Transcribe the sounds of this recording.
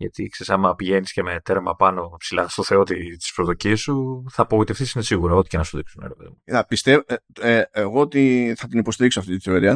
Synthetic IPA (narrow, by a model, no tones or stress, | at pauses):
ʝɐ̰t̪ḭkse̞ɾisɐmɐpiʝe̞nisceme̞t̪eɾmɐpɐno̞silɐst̪o̞θe̞o̞t̪it̪i̥spɾoðo̞ciɐsuθɐːpoɣoit̪efθisine̞siɣuɾɐo̞t̪icenɐsuðiksuneɾepeðimunɐpist̪eeeɣo̞ot̪iθɐt̪inipo̞st̪iɾiksoɐft̪it̪iθe̞o̞ɾiɐ